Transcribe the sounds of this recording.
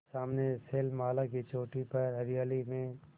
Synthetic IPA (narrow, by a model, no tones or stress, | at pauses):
saːmneseːlmaːlakit͡ʃoːʈipəɾɦɐɾijaːlimẽ